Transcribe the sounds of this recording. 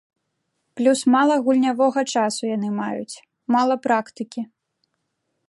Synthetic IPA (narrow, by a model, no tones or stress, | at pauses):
plʲusmalˠɐɣulʲnʲavɔɣɐt͡ʂasujan̪ɨmajṵt͡sʲ | malˠɐpɾakt̪ɨkʲi